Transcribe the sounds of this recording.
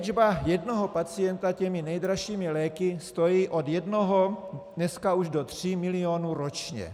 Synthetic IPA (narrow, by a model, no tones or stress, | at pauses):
d͡ʒbajɛdnoɦo̞pat͡sɪjɛnt̪acɛmɪnɛjd̪ɾaʃiːmɪlɛːkɪst̪o̞jiːʔo̞djɛdnoɦonɛskauʒdo̞t̪r̝̥imɪlɪonuɾot͡ʃɲɛ̰